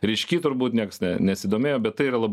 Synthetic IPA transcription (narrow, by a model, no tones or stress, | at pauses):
ɾʲɪʃʲkʲiːt̪ʊɾbuːt̪nʲiɛkɐsnʲɛnʲɛsʲɪːd̪oːmʲeːjoːbʲɛt̪t̪ːɐɪiːɾɐlˠɐb